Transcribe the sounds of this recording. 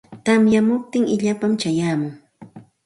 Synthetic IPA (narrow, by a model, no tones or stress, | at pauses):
t̪amjamʊp̚t̪ɪŋɪʎapamt͡ʃajaːmʊŋ